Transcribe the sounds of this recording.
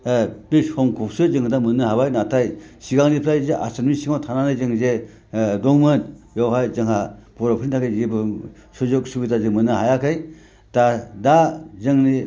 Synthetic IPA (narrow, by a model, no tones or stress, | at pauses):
bishɔmkʰɔp̚sɯzɯŋdamɯnɯɦabajnatʰajsiɡaŋnipʰɾajzeʔa̰sanmisiŋatʰananɯjzɯŋze | dɔŋmɯnjɔwɦajzɯŋhabɔɾapʰɾintʰakajibɯsɔzɯk̚subitazɯŋmɯnɯɦajakʰɯj | tadazɯŋni